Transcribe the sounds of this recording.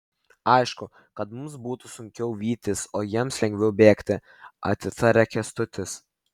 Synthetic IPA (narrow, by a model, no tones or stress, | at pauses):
ɐɪʃkʊ | kɐt̪mʊmsbuːt̪ʊsʊŋʲkʲɛʊʋʲiːt̪ʲɪsoːjiɛmslʲɛŋʲɡʲʋʲɛʊbʲeːkt̪ʲɪ | ɐ̰t̪ʲɪt̪ɐɾʲɛkʲɛst̪ʊt̪ʲɪs